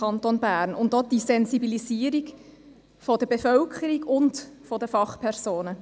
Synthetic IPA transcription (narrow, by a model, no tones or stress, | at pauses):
ɑnt̪onbæːɾnʊndɔd̥isɛnzibiliziəɾiɡ | fɔdəbefœlkʰəɾiɡʊndfɔdəfɑχpʰɛɾsoːnə